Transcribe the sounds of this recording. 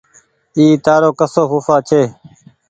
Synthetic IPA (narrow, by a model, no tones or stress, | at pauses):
iːt̪aːɾoːkəsoːɦuːfaːt͡ʃʰeː